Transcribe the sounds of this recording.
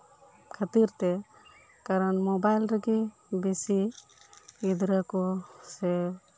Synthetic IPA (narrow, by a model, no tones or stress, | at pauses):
kʰat̪iɾt̪ɛ | kaɾɔnmɔbajlɾəɡe | besi | id̪ɾakɔsɛ